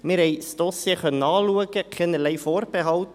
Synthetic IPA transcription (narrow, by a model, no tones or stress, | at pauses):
mɪɾhɛɪsd̪̥ɔsjeχœnəɑːluəɡəkʰχɛnəɾlɛɪfoːrb̥eɦɑwt